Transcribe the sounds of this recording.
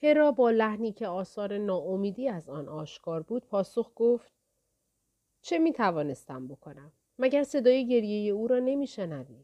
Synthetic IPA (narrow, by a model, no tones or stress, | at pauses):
he̞ɾɒːbɒːlæhniːcʰe̞ɒːsɒːɾe̞nɒːomiːd̪iːæzɒːnʔɒːʃkʰɒːɾbuːd̪̥̚pʰɒːsoxɡ̥oft̪̚ | t͡ʃʰe̞miːt̪ʰævɒːne̞st̪æmbo̞kʰo̞næmːæɟæɾse̞d̪ɒːje̞ɟe̞ɾje̞je̞uːɾɒːne̞miːʃe̞nævi̥ː